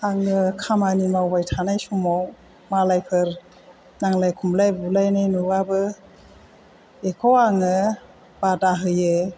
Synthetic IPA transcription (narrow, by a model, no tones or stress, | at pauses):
aŋɯkʰamanimawbajtʰanajsumaw | malajpʰɯɾ | naŋlajkʰumlajbulajnajnɯwabɯ | ekʰɔwaŋɯ | b̥adaɦɯjɯ